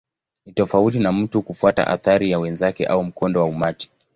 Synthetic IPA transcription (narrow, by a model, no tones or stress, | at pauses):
nitɔfautinam̩tukufuata̰ʔa̰θaɾijawɛnzakɛʔaum̩kɔndɔwaumati̥